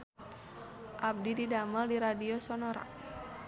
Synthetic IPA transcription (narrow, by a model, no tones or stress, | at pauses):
ʔab̚dididaməldiɾadiosɔnɔɾa̰